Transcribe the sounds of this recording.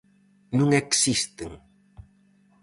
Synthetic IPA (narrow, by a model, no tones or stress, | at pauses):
nũŋɛksist̪eŋ